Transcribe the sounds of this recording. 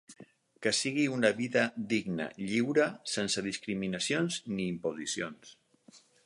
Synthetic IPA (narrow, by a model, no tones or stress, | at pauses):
kəsiɣiunəβiðəd̪iɡnə̰ʎiwɾəsensəðiskɾiminəsionzniːmpozisions